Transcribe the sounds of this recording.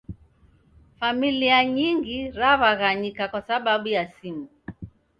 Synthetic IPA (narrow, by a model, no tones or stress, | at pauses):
familiaɲiŋɡiɾaβaɣaɲikakwasaɓaɓujasimu